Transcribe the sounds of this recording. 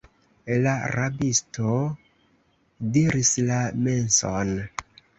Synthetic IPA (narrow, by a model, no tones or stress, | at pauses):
laɾabisto | diɾislame̞nson